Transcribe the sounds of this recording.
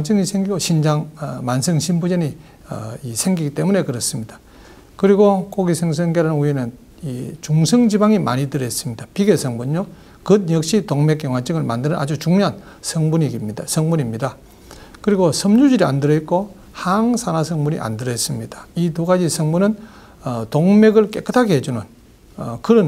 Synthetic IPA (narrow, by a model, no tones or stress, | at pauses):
t͡ɕ͈ɯŋisʰe̞ŋɡiɡoɕʰind͡ʑaŋmansʰɯŋɕʰimbud͡ʑenḭ | isʰe̞ŋɡiɡit͈e̞mune̞kɯɾʌs͈ɯmɲidḁ | kɯɾiɡokoɡisʰeŋs̬ʰeŋɡeɾanɯnuenɯn | it͡ɕuŋsʰʌŋd͡ʑibaŋima̰ɲidɯɾes͈ɯmɲidapiɡesʰʌŋbunɲɲo | kɯd̚ɲjʌk̚ɕ͈itoŋmek̚jeŋwat͡ɕ͈ɯŋɯɭmandɯnɯna̰d͡ʑut͡ɕuŋɲoɦan | sʰʌŋbuɲiɡimɲidasʰʌŋmuɲimɲida | kɯɾiɡosʰʌmɲud͡ʑiɾia̰ndɯɾʌit̚k͈o | haŋsʰanasʰʌŋmunḭʔa̰ndɯɾʌis͈ɯmɲid̥ḁituɡad͡ʑisʰʌŋmunɯn | ʌtoŋme̞ɡɯɭk͈ek͈ɯtʰakʰiɦed͡ʑunɯn | kɯɾɯn